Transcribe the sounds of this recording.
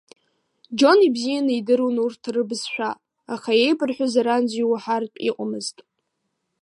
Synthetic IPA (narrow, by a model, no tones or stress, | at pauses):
d͡ʒo̞nibzijanɨidɨɾunurtʰrɨbɨzʃʷᶣa | aχae̞jbʼɨrħʷʊzaɾanzijwaħarpʼḭqʷʼamɨztʼ